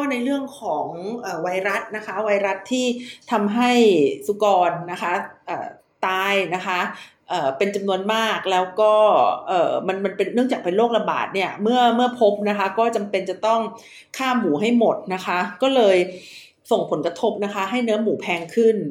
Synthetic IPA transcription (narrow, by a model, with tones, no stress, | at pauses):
ɔ˥˩na˧jɾɯ˥˩əŋkʰɔː˩˦ŋʔəː˨˩wa˧˥jɾa˦˥t̪̚na˦˥kʰa˦˥wa˧jɾa˦˥t̪ʰːiː˥˩t̪ʰa˧mɦa˥˩jsu˦kɔː˧nːa˦˥kʰa˦˥ʔa̰ː˨˩ | t̪aː˧jna˦˥kʰa˦˥ | ʔɤː˨˩pe˧nt͡ɕa˧mnu˧ənmaː˥˩k̚lɛː˦˥wkɔː˥˩ʔɤː˨˩ma˧nma˧npe˧nːɯ˥˩əŋt͡ɕaː˨˩k̚pe˧nloː˥˩k̚la˧ba̰ː˨˩t̪̚ni˥˩ɐmɯ˥˩ɐmɯ˥˩ɐpʰo˦˥p̚na˦˥kʰa˦˥kɔː˥˩t͡ɕa˧mpe˧nt͡ɕa˨˩t̪ɔ˥˩ŋ | kʰaː˥˩mːuː˩˦ɦa˥˩jmo˨˩t̪̚na˦˥kʰa˦˥kɔː˥˩lɤː˧j | so˨˩ŋpʰo˩˦nkɾa˧t̪ʰo˦˥p̚na˦˥kʰa˦˥ɦa˥˩jnɯ˦˥ɐmuː˨˩˦pʰɛː˧ŋkʰɯ˥˩n